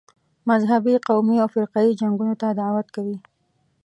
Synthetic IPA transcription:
mazɦabiqawmiawfɪɾqɑid͡ʒaŋɡunot̪ad̪aʕwat̪kawi

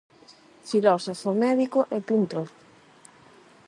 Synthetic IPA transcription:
filɔsofomɛðikoʔepint̪o

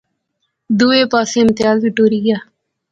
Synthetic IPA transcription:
d̪ueːpaːseːmt̪jaːlbiʈoːɾiːɡaː

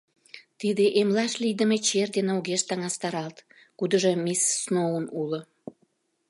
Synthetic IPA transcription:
t̪id̪eʔemlɑʃlid̪əmet͡ɕerd̪eneuɣeʃt̪ɑŋɑst̪ɑɾɑlt̪ | kud̪əʒemisːnounulo

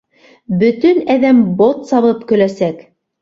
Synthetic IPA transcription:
bɵ̆t̪ɵnæðæmbot̪sɑβɤpkɵ̆læsæk

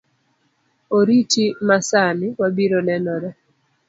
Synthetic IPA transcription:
oɾitimasanɪwabiɾonɛnɔɾɛ

